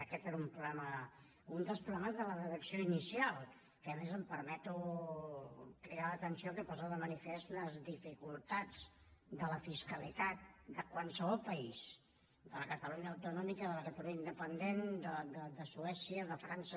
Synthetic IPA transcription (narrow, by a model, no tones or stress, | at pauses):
əkɛt̪eɾumpɾulɛmə | und̪əlˠspɾulɛməzðələrəðəksioinisialˠ | kəːmezəmpəɾmɛt̪u | kɾialət̪ənsiokəpɔzəðəmənifest̪ləzðifikulˠt̪ad͡zd̪ələfiskəlit̪at̪̚d̪əkwalsəβɔlˠpəis | d̪ələkət̪əluɲəːwt̪unɔmikəðələkət̪əluɲəind̪əpənd̪end̪əd̪əd̪əsuɛsiəðəfɾansə